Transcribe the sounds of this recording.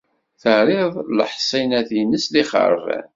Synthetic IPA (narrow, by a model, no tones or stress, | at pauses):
θəɾˤɪðˤlə̰ħsˤinæθinəsliχə̰ɾˤəv̰